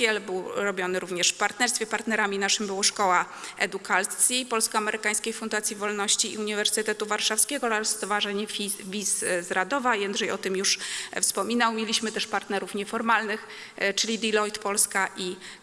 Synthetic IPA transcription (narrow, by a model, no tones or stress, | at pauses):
ɛlbɘwɾɔbʲjɔnɘɾuvɲɛʂfpaɾt̪nɛɾst̪fʲjɛpaɾt̪nɛɾamʲinaʂɘmbɘwɔʂkɔwa | ʔɛ̰d̪ukʰat̪sʲjipɔlskɔamɛɾɘkaj̃skʲejfund̪at̪sʲjivɔlnɔɕt͡ɕḭːuɲivɛɾsɘt̪ɛt̪uvaɾʂafskʲɛɡɔlast̪ɔvaʐɛɲɛvʲiszɾad̪ɔvajɛnd̪ʐɛjɔt̪ɘmjuʂfspɔmʲinawmʲjelʲiɕmɘt̪ɛʂpaɾt̪nɛɾufɲɛfɔɾmalnɘx | t͡ʂɘlʲid̪ilɔjt̪pɔlskaʔi